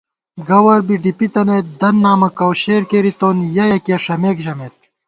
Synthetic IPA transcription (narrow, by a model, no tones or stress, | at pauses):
ɡɐwɐɾbiɖipit̪ɐnet̪̚d̪ɐnːaːmɐkɐwɕeːɾkeːɾit̪oːnjɐjɐkeʂɐmeːkʑɐmeːt̪̚